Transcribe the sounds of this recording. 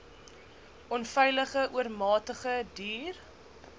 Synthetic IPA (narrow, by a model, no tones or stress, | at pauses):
ʔɔnfɛjləχəʔuərmɑːtəχədiːr